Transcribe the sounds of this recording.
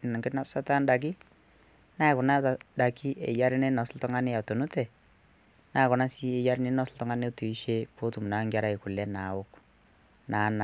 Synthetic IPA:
na˨ŋɡɪ˦na˦sa˦ta˦nda˨k̬ɪ˦ | na˦˨kʊ˨na˦ta˨da˨ki˦ʔḛ˨ja˦ɾɪ˦ne˦nɔ˨sltɔ˦ŋa˦nɪ˦a˨to˨nu˦tɛ˨ | na˦˨kʊ˨na˦si˦e˨ja˦ɾɪ˦ne˦nɔ˦sltʊ˦ŋa˦ne˦tu˨i˨˦ʃe˦po˦tu˨mna˦ŋɡa˦ɾa˦i˨kʊ˨lɛ˦na˨wʊ˦k | na˨˦n˨

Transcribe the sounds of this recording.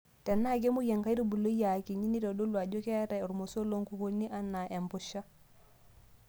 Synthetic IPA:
ta˨nːa˦ɡe˦mu˦ja˨ŋka˦i˦ɾu˦bu˨lo˦ja˨ki˨ɲi˦ni˦dɔ˨ɗo˦lwa˨d͡ʒo˦ke˦ta˨ɔ˨ɾmo˨so˦lo˦ŋku˨ko˦nːi˦ʔa˨nːa˨ʔe˨mpɔ˨ʃa˦

